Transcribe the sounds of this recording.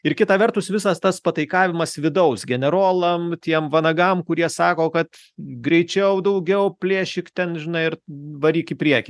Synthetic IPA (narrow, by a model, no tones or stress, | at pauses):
ɪrkʲɪt̪ɑːʋʲɛrt̪ʊsʋʲɪs̬ɐst̪ɐspɐt̪ɐɪkɑːʋʲɪmɐsʋʲɪd̪ɐʊsɡʲɛnʲɛɾoːlˠɐmt̪ʲiɛmʋɐnɐɡɐmkʊɾʲiɛsɑːkoːkɐt̪ | ɡɾʲɛɪt͡ʃʲɛʊd̪ɐʊɡʲɛʊpʲlʲeːʃʲɪkt̪ʲɛnʒʲɪnɐɪɪɾʋɐɾʲiːkipʲɾʲiɛkʲɪ